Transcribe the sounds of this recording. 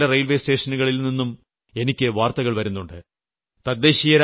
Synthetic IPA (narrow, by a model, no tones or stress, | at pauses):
lɐrejlʋe̞ːste̞ːʂɐnuɣɐɭilninːum | e̞nikʲːɨʋaːrt̪ɐɣɐɭʋɐɾunːuɳɖɨ | t̪ɐd̪ːe̞ːɕijɐɾ